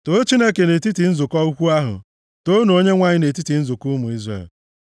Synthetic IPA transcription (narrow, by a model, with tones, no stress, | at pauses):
to˦t͡ʃi˦ne˦ke˨ne˨ti˦ti˨n̩˦zʊ˨kɔ˦u˦kʷu˦a˦ɦʊ̰˨ | to˦nu˨o˦ɲe˦ŋʷa˦ɲɪ˦ne˨t̬i˦ti˨n̩˦zʊ˨ku˦mu˨i˦zrḛ˨l